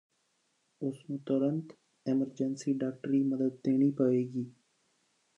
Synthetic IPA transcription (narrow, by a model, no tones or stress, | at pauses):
ʊsnũːt̪əɾənt̪ | eːməɾd͡ʒənsiːɖaːk̚ʈɾiːməd̪əd̪̚ːeːñiːpəʋeːɡiː